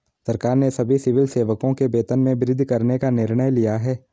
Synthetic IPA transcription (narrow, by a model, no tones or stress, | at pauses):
sɐɾkaːɾnesɐbʱisɪʋɪlseːʋəkõkebeːt̪ənmẽbɪɾɪd̪ʱkɐɾnekanɪɾɳ̃əjlijaɦɛː